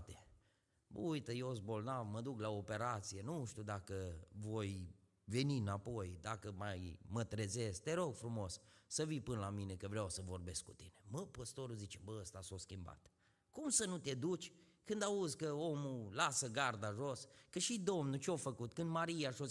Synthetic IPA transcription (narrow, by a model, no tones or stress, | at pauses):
t̪e̥ | bə̰ujt̪əjeosbo̞lnavməd̪uklaope̞ɾat̪sije̞nuʃt̪ʲud̪akəvo̞j | ve̞niɨnapo̞jd̪akəmajmət̪ɾe̞ze̞skt̪e̞ɾo̞ɡfɾumo̞ssəvipɨnəlamine̞kəvɾeawsəvo̞rbe̞skut̪ineməpəst̪o̞ɾuzit͡ʃebəəst̪asoskʲimba̰t̪ | kumsənut̪e̞d̪ut͡ʃʲ | kɨnd̪auzkəo̞mulasəɡard̪aʒoskəʃid̪o̞mnut͡ʃeofəkut̪kɨnd̪maɾijaʃo